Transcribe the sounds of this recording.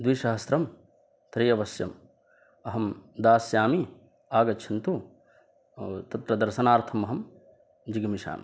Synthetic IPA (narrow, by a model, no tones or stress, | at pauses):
d̪ʋiʃɐɦɐst̪ɾɐm | t̪ɾijɐʋɐsjɐ̰m | ɐɦɐmd̪aːsjaːmi | aːɡɐtːt͡ʃʰɐnt̪u | t̪ɐt̪ɾɐd̪ɐɾʃɐnaːɾt̪ʰɐmɐɦɐm | d͡ʒiɡɐmiʃa̰ːmḭ